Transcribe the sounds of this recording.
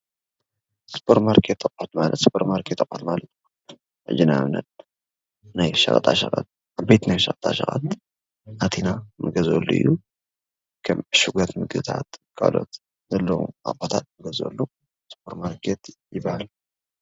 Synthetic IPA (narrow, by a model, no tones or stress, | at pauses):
spʰoɾmaɾkʰet̪ʼːɐkʼot̪malə̰t̪spʰoɾmaɾkʰet̪ʼːɐkʼot̪malət̪n | ʔɨ̰d͡ʒɨnanːə̰t̪̚ | najʃɐ̰xʼət̪ʼaʃɐxʼa̰t̪̚ | ʔaβbet̪najʃɐkʼt̪ʼaʃɐ̰xʼa̰t̪ | ʔat̪ʰinamɨɡɐzo̰lːuɨ̰jːu | kʰɐmɨʃɨɡat̪mɨɡɨt̪ʰa̰t̪kʰa̰lo̞̰t̪ | zɐlːɐwṵa̰kot̪ʰat̪̚mɨɡɐzo̰lːu | spʰoɾmaɾkʰet̪jɪbahal